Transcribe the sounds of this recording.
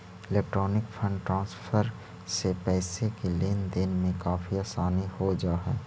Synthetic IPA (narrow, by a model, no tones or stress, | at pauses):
ɪleːk̚ʈɾɔːnɪkpʰə̃ɳɖʈɾãːnspʰəɾ | sepɛːsekeleːnd̪ɪnmẽkaːfʰiaːsaːnihod͡ʒaːɦɛː